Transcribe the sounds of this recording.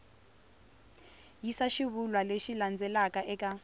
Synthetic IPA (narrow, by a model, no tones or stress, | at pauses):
jisaʃiβulwaleʃiland͡zɛlakʼaʔɛkʼa